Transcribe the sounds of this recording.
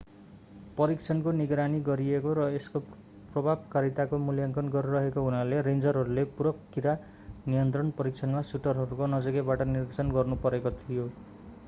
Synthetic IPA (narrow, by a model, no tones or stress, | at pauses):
pʌɾikt͡sʰʌnkoniɡɾaniɡʌɾiekoɾʌesko | prʌbʱab̚kaɾit̪akomuljʌŋkʌnɡʌɾurʌɦekoɦunaleɾend͡zʌrɦʌɾulepuɾʌkːiɾa | nijʌnt̪rʌnpʌɾik̚t͡sʰʌnmasuʈʌrɦʌɾukonʌd͡zʌɡebaʈʌnirɡt͡sʰʌnɡʌrnupʌɾekot̪ʰijo